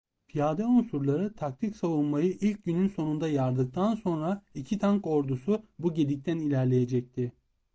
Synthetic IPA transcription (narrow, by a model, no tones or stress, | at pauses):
fijaːd̪ɛunsuɾlˠaɾɯt̪ʰak̚t̪ʰicsavunmajɯʔilʲc̚ɟynynso̞nund̪ajaɾd̪ɯk̚t̪ʰanso̞nɾaicʰit̪ʰaŋko̞ɾd̪usubuɟe̞d̪ic̚t̪ʰænilʲæɾlʲe̞je̞d͡ʒɛc̚t̪ʰɪ